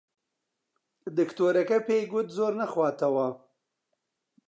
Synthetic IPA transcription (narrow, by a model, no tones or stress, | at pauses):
d̪əkt̪oɾakapeɡʊt̪zoɾnaxwɑːt̪awaː